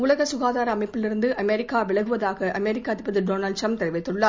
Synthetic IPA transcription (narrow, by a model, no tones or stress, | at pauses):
ʊlɐɣɐsʊɣaːðaːɾɐːmɐɪpːɪlɪɾɯnd̪ɯʔɐmɛɾɪkːaːʋɪɭɐɣɯʋɐðaːɣɐʔɐmɛɾɪkːaːt̪ɪpːɐðɯɖoːnɐlɖʈɐmpt̪ɛɾɪʋɐɪt̪ːɯɭːaː